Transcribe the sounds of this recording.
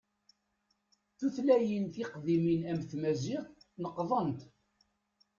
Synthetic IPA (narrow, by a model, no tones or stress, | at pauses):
θuθlæjənθiqðiminæmθmæzɪʁθnəqːðˤənt̪